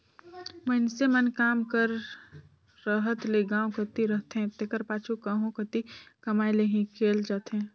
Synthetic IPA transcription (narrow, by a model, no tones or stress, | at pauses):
mənsemənkaːmkəɾː | əɦət̪leɡãːõkət̪iɾəɦt̪ɦɛ̃t̪ekəɾpaːt͡ʃʰukaːɦõkət̪ikɐmaːjleɦĩkʰeːld͡ʒaːt̪ɦɛ̃ː